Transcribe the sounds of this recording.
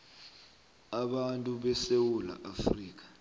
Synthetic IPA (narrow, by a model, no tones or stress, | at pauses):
aɓantʼuɓɛsewula̰ʔafriːk̬ʼḁ